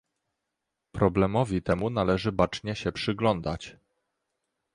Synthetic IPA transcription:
pɾɔblɛmɔvʲit̪ɛmun̪alɛʐɘbat͡ʂɲɛɕɛpʂɘɡlɔnd̪a̰t͡ɕ

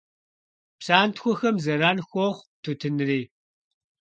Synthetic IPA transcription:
pɕaːntxʷɔxɐmzɐɾaːnxʷoʁʷtʰutʰɨnɨriː

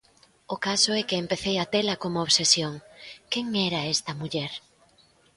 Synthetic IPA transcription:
ʊkasʊɛkɪːmpeθejɐt̪elɐkomooβsesjoŋkɛŋɛɾɐɛst̪ɐmuʎɛɾ

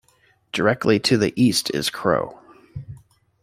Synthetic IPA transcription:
d̥ə˞ɛk̚tʰˡliɾʰɨðiʔistʰɪ̰z̥kʰɹ̥o̰ʊ

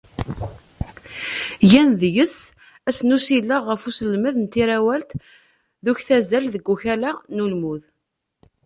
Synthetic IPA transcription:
jænðjəs | æsnusilːəʁəfusəlməðənt̪ːiɾæwælt̪ | ðuçθæzælðəɡːuçælænulmuð

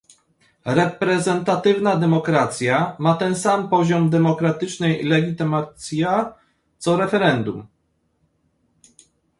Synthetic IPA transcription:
ɾɛpɾɛzɛnt̪at̪ɘvnad̪ɛmɔkɾat̪sʲjamat̪ɛnsampɔʑɔmd̪ɛmɔkɾat̪ɘt͡ʂnɛjlɛɡʲit̪ɘmat̪sʲja | t̪sɔɾɛfɛɾɛnd̪um

